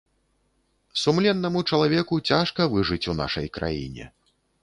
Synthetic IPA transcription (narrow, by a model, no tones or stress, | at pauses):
sumlʲɛnːɐmut͡ʂɐlˠavʲɛkut͡sʲaʂkɐvɨʐɨt͡sʲuna̰ʂɐjkɾʔa̰jḭnʲɛ̰